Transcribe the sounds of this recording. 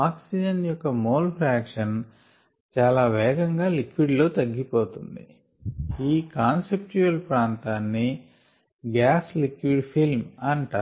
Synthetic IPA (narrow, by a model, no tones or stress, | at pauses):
aːksid͡ʒɐnjɔkːɐmoːlpʰɾaːkʂɐn | t͡ʃaːlaːʋɛːɡɐŋɡaːlikʋiɖlo̞ːt̪ɐɡːipoːt̪und̪ḭ | iːkaːnsep̚t͡ʃuɐlpɾaːnt̪aːnːi | ɡaːslikʋiɖpʰilmɐɳʈɐ